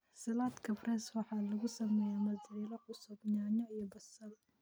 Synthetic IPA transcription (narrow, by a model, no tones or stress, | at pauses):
sɐlaːd̪kʰɐfrɛːswɑħɑːlɐɣʊsɐmɛːjaːmɐziːlɐqʊsʊbɲaːɲɔijɔbɐsɐð